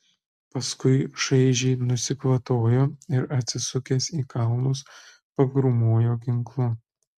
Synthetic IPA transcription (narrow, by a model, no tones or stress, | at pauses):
pɐskʊɪʃɐɪʒʲɛɪnʊsʲɪkʋɐt̪oːjoːɪɾɐt̪ʲsʲɪsʊkʲeːsiːkɑˑʊnʊs | pɐɡɾʊmoːjoːɡʲɪŋklˠʊ